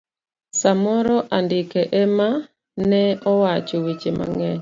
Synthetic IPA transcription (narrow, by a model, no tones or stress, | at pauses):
samɔɾɔʔandɪkɛʔɛma | nɛɔwat͡ʃowit͡ʃema̰ŋɛ